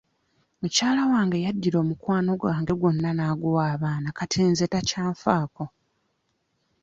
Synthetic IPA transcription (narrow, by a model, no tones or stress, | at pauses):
mucaːlawaːŋɡe̞jadːiɾo̞ːmukwaːno̞ɡwaːŋɡe̞ɡwo̞nːanaːɡuwaːβaːnakatʰeːnzetacaːɱfaːko̞